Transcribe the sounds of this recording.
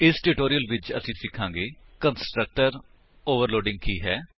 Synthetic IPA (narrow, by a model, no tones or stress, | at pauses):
ɪsʈuːʈoːɾijəlʋɪt͡ʃə̰sĩːsɪkʰːãːŋɡeːkənsʈɾək̚ʈəɾ | oːʋəɾloːɖɪ̃ŋɡ̚kiːɦɛː